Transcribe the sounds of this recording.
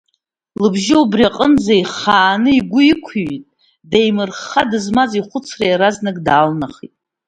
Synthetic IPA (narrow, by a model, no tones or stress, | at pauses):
lɨbʒɪubriaqʼənd͡zaiχaːnɨiɡʷʊikʷʰɥitʼ | dejmɨrχadɨzmaziχʷʊt͡sʰrajɾaznɨkʼdaːlnaχitʼ